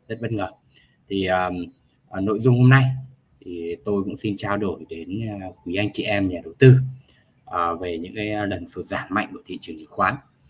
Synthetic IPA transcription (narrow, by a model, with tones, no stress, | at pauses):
zə˦˥t̚ɓə˦˧t̚ŋəː˨˩ | t̪ʰi˨˩ʔəː˨˩ | ʔːno̰˧˨jzʊ˧ŋ͡mho˧mna˧j | t̪ʰi˨˩t̪o˧jkʊ̰˧˥ŋ͡msi˧nt͡ɕaː˧wɗo˧˩jɗe˨˦n˧kwi˨˦ʔa˧jŋ̟t͡ɕḭ˧˨ʔɛ˧mɲaː˨˩ɗə˨˩wt̪ɨ˧ | ʔəː˨˩ve˨˩ɲɨ̰˧˥ŋka˨˦jlə˨˩nsu˨˩t̚zaː˧˩nma̰˧˨ŋ̟ku˧˩ət̪ḭ˧˨t͡ɕɨ˨˩əŋzɨ̰˧˩˦kxwaː˨˦n